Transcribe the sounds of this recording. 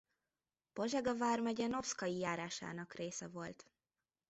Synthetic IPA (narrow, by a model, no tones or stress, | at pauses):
poʒɛɡɒvaːrmɛɟɛnofskɒjijaːɾaːʃa̰ːnɒkreːsɛvo̞lt̪